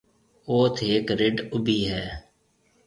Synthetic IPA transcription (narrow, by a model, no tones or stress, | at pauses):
oːt̪ʰeːkɾɪɖʊbiːɦɛː